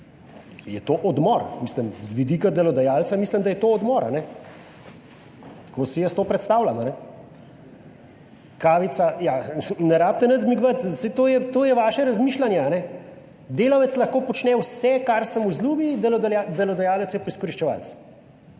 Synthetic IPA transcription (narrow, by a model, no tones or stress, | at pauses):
jɛt̪oːʔɔd̪mɔɾmisləmzʋid̪iːkad̪ɛlɔd̪ajaːlt̪samisləmd̪ajɛt̪oːɔd̪mɔɾa̰nɛ | t̪koːsijəst̪oːpɾɛt̪st̪aːwlamanɛ | kaːʋit̪sajanɛɾaːp̚t̪ɛnət̪zmiɡʋət̪sɛt̪oːjɛt̪oːjɛʋaːʃɛɾɐzmiːʃlanjɛanɛ | d̪eːlɔʋɛt̪slɐxkoːpɔt͡ʃnɛwsɛkaɾsəmuzluːbid̪ɛlɔd̪ad̪ɛlɔd̪ajaːlət̪sjɛpɔiskɔɾiʃt͡ʃɛʋa̰ːlt̪s